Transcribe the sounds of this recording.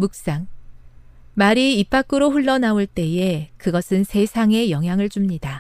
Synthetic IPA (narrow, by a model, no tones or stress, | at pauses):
muk̚s͈aŋ | maɾiːp͈ʰːak͈ɯɾoɸuɭːʌnauɭt͈e̞e̞kɯɡʌsʰɯnsʰe̞sʰaŋe̞jʌŋɦjaŋɯɭt͡ɕumɲida